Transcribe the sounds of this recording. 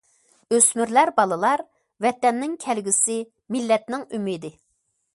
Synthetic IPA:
øsmyɾlæɾbɑlˠɨlˠɑɾ | vɛt̪ɛnːɪŋkʲʰɛlɡʲisɪ | mɪlːɛt̪nɪŋymid̪ɪ

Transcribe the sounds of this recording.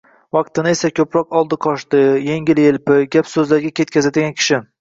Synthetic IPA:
vɑq̚t̪ɪnɪe̞sakʲʰɵpɾɒqɒlˠd̪ɪqʰɒʃt̪ɪjeŋʲɪlelpɪɡʲapsɵzlaɾɡʲakʲe̞t̪̚kʲʰazad̪ɪɡʲankʲʰɪ̥ʃɪ

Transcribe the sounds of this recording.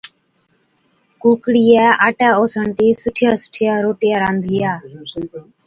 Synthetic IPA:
kuːkɽijaːʔaːʈaːoːsəɳt̪iːsʊʈʰɪjaːsʊ̥ʈʰɪjaːɾoːʈɪjaːɾaːnd̪ʱɪjaː

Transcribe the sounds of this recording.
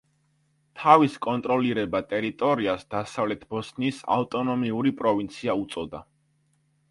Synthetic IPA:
t̪ʰaviskʼɔnt̪ʼɾɔliɾɛbat̪ʼɛɾit̪ʼɔɾiasd̪̥asavlɛt̪ʰbɔsnisa̰ft̪ʼɔnɔmiuɾipʼɾɔvint̪sʰiaut̪sʼɔd̪a

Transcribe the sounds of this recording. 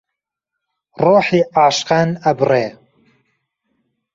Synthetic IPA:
roːħiːaːʃqaːnɐbreː

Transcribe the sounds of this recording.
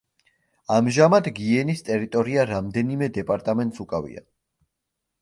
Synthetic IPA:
amʒamad̪ɡiɛnist̪ʼɛɾit̪ʼɔɾiaɾamd̪ɛnimɛd̪ɛpʼaɾt̪ʼamɛnt̪ʼsukʼavḭa̰

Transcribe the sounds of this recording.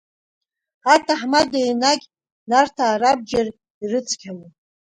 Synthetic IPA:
atʰaħmadejnaɡʲ | nartʰaːɾab̚d͡ʒar | irɨt͡sʰʼkʲʰalo

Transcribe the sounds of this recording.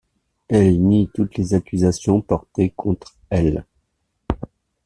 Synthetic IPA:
ɛlnit̪ut̪lezakʲyzasjɔ̃pɔʁt̪ekʰɔ̃t̪χ | ɛl

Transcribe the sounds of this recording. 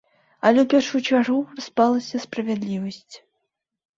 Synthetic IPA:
ɐlʲɛwpʲɛrʂut͡ʂaruraspalˠɐsʲɐspɾɐvʲad̪lʲivɐsʲt͡sʲ

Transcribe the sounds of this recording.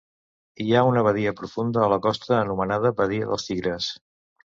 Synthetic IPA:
iaunəβəðiəpɾufund̪əːləkɔst̪əːnumənað̞əβəðiə̰ðə̰lˠstiɣɾəs

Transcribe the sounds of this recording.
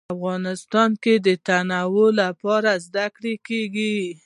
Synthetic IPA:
afɣɑnɪst̪ɑnked̪ət̪anawolapɑɾazd̪akɽekeɡi

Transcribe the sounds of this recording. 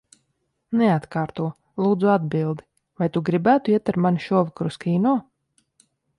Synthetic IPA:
nɛat̪kaːɾt̪uɔ | lˠuːd̪zuad̪̚bilˠd̪i | vajt̪uɡɾibæːt̪uiɛt̪aɾmanʃuɔvkɾuskiːnɔɔ

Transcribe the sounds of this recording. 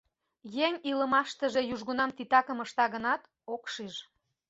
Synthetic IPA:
jeŋʲiləmɑʃt̪əʒe̽juʒɣunɑmt̪it̪ɑkəməʃt̪ɑɣənɑt̪ | okʃiʒ

